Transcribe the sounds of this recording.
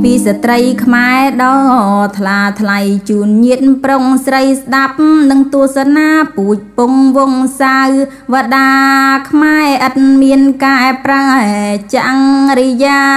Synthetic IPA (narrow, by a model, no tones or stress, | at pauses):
piːsat̪rəjkʰmaɛɗɑːt̪ʰlaːt̪ʰlajt͡ɕuːnɲiət̪̚proŋsrəjsɗap̚nɨŋt̪uəhsanaːpuːc̚puŋʋʊŋsaw | ʋaɗaːkʰmaɛʔət̪̚miənkaːɛprat͡ɕaŋrijaː